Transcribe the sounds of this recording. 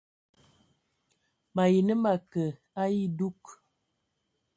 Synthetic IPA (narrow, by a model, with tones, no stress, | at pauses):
ma˨ji˨nə˦ma˨kə˨ | a˦ji˦du˦k